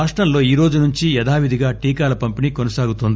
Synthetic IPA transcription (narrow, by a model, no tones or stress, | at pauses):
aːʂʈɾɐmlo̞ːiːɾo̞ːd͡ʒunuɲt͡ʃijɛd̪aːʋid̪ʱiɡaːʈiːkaːlɐpɐmpiniːkonɐsaːɡut̪ond̪i